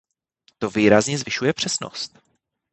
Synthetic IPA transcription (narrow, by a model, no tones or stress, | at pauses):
t̪o̞viːɾazɲɛzvɪʃujɛpr̝̥ɛsno̰st̪̚